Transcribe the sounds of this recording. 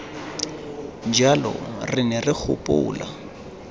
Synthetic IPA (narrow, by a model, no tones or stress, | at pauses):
nd͡ʒʱalɔ̰rɪnɛrɪk͡xʰʊ̰pʼʊ̰ːla̰